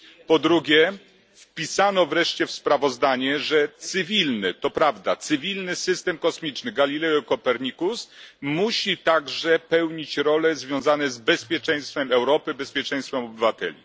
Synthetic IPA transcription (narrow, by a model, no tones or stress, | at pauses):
pɔd̪ɾuɡʲjɛ | fpʲisanɔvɾɛʂt͡ɕɛfspɾavɔzd̪aɲɛʐɛt̪sɘvʲilnɘt̪ɔpɾavd̪at̪sɘvʲilnɘsɘst̪ɛmkɔsmʲit͡ʂnɘɡalʲilɛɔkɔpɛɾɲikusmuɕit̪aɡʐɛpɛwɲit͡ɕɾɔlɛzvʲjɔ̃w̃zanɛzbɛspʲjɛt͡ʂɛj̃st̪fɛmɛwɾɔpɘbɛspʲjɛt͡ʂɛ̃j̃st̪fɛmɔbɘvat̪ɛ̰lʲḭ